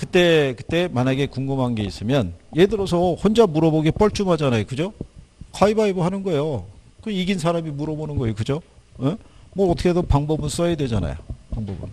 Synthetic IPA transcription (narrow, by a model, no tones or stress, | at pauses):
kɯt͈e̞kɯt͈e̞maɲaɡe̞kuŋɡɯmɦanɡe̞is͈ɯmjʌnjedɯɾʌs̬ʰʌhond͡ʑamuɾʌboɡip͈ʌɭt͡ɕ͈ʰumɦad͡ʑanajokɯd͡ʑokʰaibaibɯɦanɯnɡʌejo | kɯiɡins̬ʰaɾamimuɾʌbonɯnɡʌejokɯd͡ʑoemwʌːtʰʌkʰedopaŋbʌbɯns͈ʌjedwe̞d͡ʑana̰jo̰paŋbʌ̰bɯ̰n